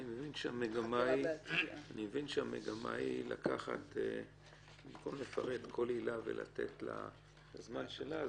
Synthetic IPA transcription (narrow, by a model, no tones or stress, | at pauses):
nimevinʃeameɡamaianimevinʃeamḛɡama̰ilakʰaχa̰te | imkomle̞faʁe̞d̪kʰo̞lilavḛlʔa̰t̪e̞̰tla̰ | lazmanʃela